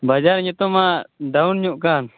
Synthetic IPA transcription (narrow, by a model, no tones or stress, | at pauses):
bad͡ʒaɾɲut̪ɔmaɖaunɲuʔkan